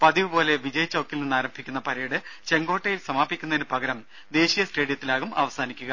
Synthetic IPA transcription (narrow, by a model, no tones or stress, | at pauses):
pɐd̪iʋɨbo̞ːle̞ʋid͡ʑɐjt͡ɕːɐwkːilninːaːɾɐmbʱikʲːunːɐpɐɾɐjiɽɨt͡ɕe̞ŋɡoːʈːɐjilsɐmaːbʱikʲːunɐðenɨpɐɡɐɾɐm | d̪e̞ːɕijɐsʈe̞ːɽijɐt̪ːilaːɣumɐ̰ʋɐsaːnikʲːuɣɐ